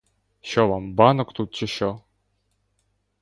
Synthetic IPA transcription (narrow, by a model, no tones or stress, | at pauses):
ʃɔʋambɑnɔkt̪ut̪̚t͡ʃɪʃɔ